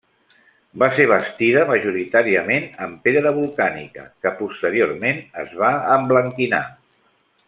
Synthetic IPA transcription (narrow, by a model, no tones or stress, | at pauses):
baseɾβ̞əst̪iðəməʒuɾit̪aɾiəmenəmpeɾəðəβulˠkanḭkə̰kəpust̪əɾioɾmenəzβaəmbləŋkina̰